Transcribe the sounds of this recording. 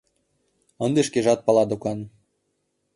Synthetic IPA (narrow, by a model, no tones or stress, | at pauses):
ɤ̆nd̪eʃkeʒɑt̪̚pɑlˠɑd̪okɑn